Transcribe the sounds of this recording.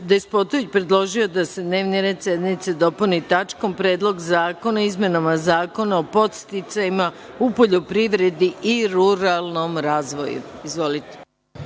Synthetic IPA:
d̪espo̞t̪oʋit͡ɕpɾe̞d̪lˠo̞ʒio̞d̪ase̞d̪ne̞ːʋniɾe̞ːd̪sje̞d̪nit̪se̞d̪o̞punit̪at͡ʃko̞mpɾe̞ːd̪lˠo̞ɡzaːko̞naizme̞namazaːko̞naopo̞t̪st̪it̪sajima | upo̞ʎo̞pɾiʋɾe̞d̪iiɾuɾalˠno̞mɾaːzʋo̞̰jṵizʋo̞lit̪e̥

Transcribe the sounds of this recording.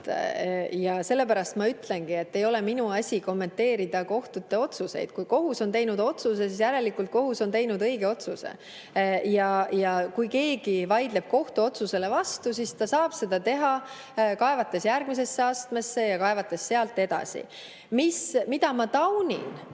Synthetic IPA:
jɑse̞lːe̞pæɾɑst̪mɑyt̪le̞nɡ̥ie̞t̪ːe̞jo̞le̞minuɑsʲiko̞mːe̞nt̪e̞ːɾid̪̥ɑko̞ht̪ut̪ːe̞o̞t̪suse̞̰jd̪̥kujko̞ɦuso̞nt̪e̞jnud̪o̞t̪suse̞sisjæɾe̞likːˑult̪̚ko̞ɦuso̞nt̪e̞jnud̪ɤ̞jɡe̞o̞t̪susḛ | jɑjɑkujke̞ːɡ̥ivɑjd̪̥le̞b̥̚ko̞ht̪uo̞t̪suse̞le̞vɑst̪us̬ist̪ɑsɑːb̥se̞d̪̥ɑt̪e̞ɦɑ | kɑe̞vɑt̪ːe̞sjærɡ̥mis̬e̞sːe̞ɑst̪me̞sːe̞jɑkɑevɑt̪ːˑe̞sːe̞ɑlt̪ːe̞d̪ɑ̰sʲḭ | mismid̪̥ɑmɑt̪ɑwnʲḭn

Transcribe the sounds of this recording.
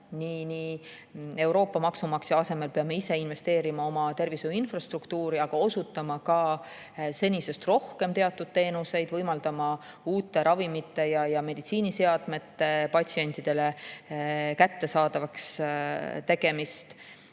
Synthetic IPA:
niːni | e̞wɾo̞ːpːɑmɑksumɑksjɑɑse̞me̞lpe̞ɑme̞ise̞inve̞st̪e̞ːɾimɑo̞mɑt̪e̞rvisuinfrɑst̪rukt̪uːɾiɑɡ̥ɑo̞sut̪ːˑɑmɑkɑ | se̞nʲise̞st̪ro̞hke̞mt̪e̞ɑt̪ːˑud̪̥̚t̪e̞ːnuse̞jd̪̥vɤjmɑld̪̥ɑmɑ | uːt̪ːe̞ɾʔɑvimit̪ːˑe̞jɑjɑme̞d̪̥it̪siːnise̞ɑd̪̥me̞t̪ːˑepɑt̪ʲsie̞nʲt̪ˑid̪̥e̞le̞ | kæt̪ːe̞sɑːd̪̥ɑvɑks | t̪e̞ɡ̥e̞mist̪

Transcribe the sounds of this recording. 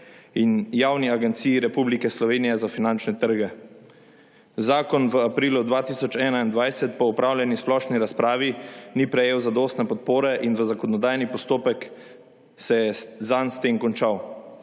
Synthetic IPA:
injawniaɡɛnt̪sijːɾɛpublikɛslɔʋeːnijɛzafinant͡ʃnɛt̪əɾɡɛ | zaːkɔnʋəapɾiːlud̪ʋaːt̪iːsɔt͡ʃɛːnaind̪ʋajsɛt̪pɔupɾaːwlʲjɛnisplɔʃniɾaspɾaːʋinipɾɛjeːwzad̪oːst̪nɛpɔt̪̚poːɾɛʔinʋəzakɔnɔd̪aːjnipɔst̪oːpɛk | sɛjɛzanst̪eːmkɔnt͡ʃaw

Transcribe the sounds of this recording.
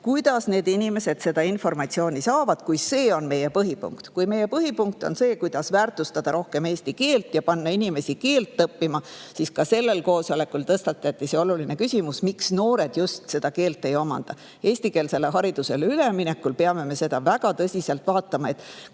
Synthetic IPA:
kujd̪̥ɑsne̞ːd̪inʲime̞se̞d̪̥se̞d̪̥ɑinfo̞rmɑt̪sio̞ːnʲisɑːvɑd̪̥kujse̞ːo̞nme̞jepɤɦipṵŋkt̪kujme̞jepɤɦipuŋk̚t̪o̞nse̞ːkujd̪̥ɑsvæːrt̪ˑust̪ɑd̪̥ɑɾo̞hke̞meːsʲt̪ike̞ːlt̪jɑpɑnːɑinʲime̞sike̞ːlt̪ːɤpːimɑsiskɑse̞lːe̞lko̞ːsole̞kːult̪ɤst̪ɑt̪ːˑɑt̪ːˑiseo̞lulinekysʲimusmiksno̞ːɾe̞d̪̥just̪se̞d̪̥ɑke̞ːlt̪ːˑe̞jo̞mɑ̰nd̪̥ɑ | e̞ːsʲt̪ike̞ːlse̞lːeɦɑɾid̪̥use̞lyle̞mine̞kːˑulpeɑme̞me̞se̞d̪̥ɑvæɡ̥ɑt̪ɤsʲiselt̪vɑːt̪ːˑɑmɑe̞t̪ːˑ

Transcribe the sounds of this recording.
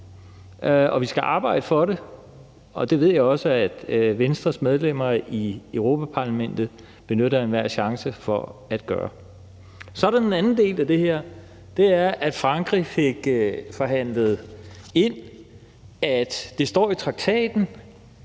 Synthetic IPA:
ɒ̽ʋisɡ̥æʔɑ̈ːbɑ̈ɪ̰d̥əfɒ̽ɾe | ɒ̽d̥e̝ʋe̝ð̞̰ˠjɑ̈ɪɒ̽səæd̥ʋensd̥ʁɐsmeð̞ˠlem̰ɐiøʊʁo̝ːpʰæpʰɑ̈læmen̰d̥ð̩ˠ | b̥e̝nøɾɐe̝nʋæɐ̰ɕɑ̈ŋsəfɒ̽æd̥̚ɡ̥ɶ̰ːɐ | sɒ̽dæenænn̩d̥e̝̰ːlæd̥e̝heɐ̰ | d̥e̝æɐʔæd̥fʁɑ̈ŋɡ̥ʁife̝ɡ̥fɒ̽ɦæn̰ləð̞̩ˠe̝n̰ | æd̥d̥e̝sd̥ɒ̰ːit͡sʰʁɑ̈ɡ̥̚t͡sʰɛ̰ːd̥n̩

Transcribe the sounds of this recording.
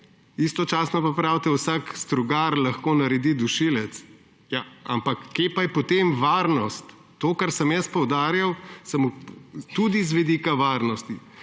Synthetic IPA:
ist̪ɔt͡ʃaːsnɔpapɾawt̪ɛwsaːkst̪ɾuɡaɾlɐxkoːnɐɾɛd̪id̪uʃilɛt̪s | jaa̰mpɐkːepajɛpɔt̪emʋaɾnɔst̪ːoːkaɾsəmjɛspɔwd̪aːɾjawsɐmut̪ud̪izʋɛd̪iːkaʋaɾnɔst̪i

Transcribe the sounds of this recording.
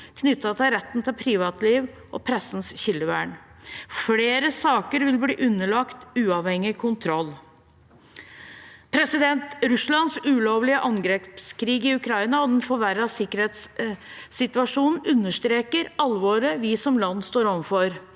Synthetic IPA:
kʰnʏt̪ːɑt̪ʰɪɾɛt̪ːn̩t̪ʰɪlpʰɾiːʋɑːt̪liːʋʔɔpʰɾɛsːn̩sçɪlːəʋæːɳfleːɾəsɑːkəɾʋɪlbliːʔʉnːəɭɑkt̪ʉːɑʋhɛŋːɪkʰʊnt̪ʰɾɔlː | pʰɾɛsɪd̪ɛnt̪ɾʉslɑnsʉːloːʋlɪəʔɑŋɡɾeːpskʰɾiːɡɪʉkʰɾɑɪnɑɔd̪ɛnfɔɾʋæɾɑsɪkːəɾheːt̪sː | ɪt̪ʉɑʂuːnn̩ʉnːəʂt̪ɾeːkəɾɑlʋoːɾəʋisɔmlɑnːst̪oːɾɔmfɔɾ

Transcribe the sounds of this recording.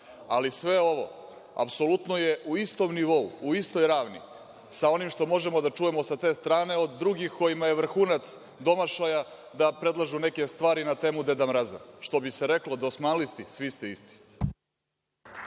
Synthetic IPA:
alisʋe̞o̞ʋo̞̰ | a̰pso̞lut̪no̞jeʔuist̪o̞mniʋo̞ṵːist̪o̞jɾaːʋnḭ | sao̞nimʃt̪o̞mo̞ʒe̞mo̞d̪at͡ʃuje̞mo̞sat̪e̞ːst̪ɾaːne̞o̞d̪ːɾuɡixko̞jimaje̞ʋr̩xuːnat̪s | d̪o̞maʃaja | d̪apɾe̞d̪lˠaʒune̞ke̞st̪ʋaːɾinat̪eːmud̪e̞d̪amɾaza̰ʃt̪o̞biseɾe̞klod̪osmanlist̪isʋist̪eist̪i̥

